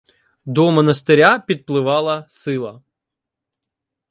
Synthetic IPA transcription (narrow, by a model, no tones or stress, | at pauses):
d̪ɔmɔnɐst̪ɪɾʲapʲid̪̚plˠɪʋɑlˠɐsɪlˠɐ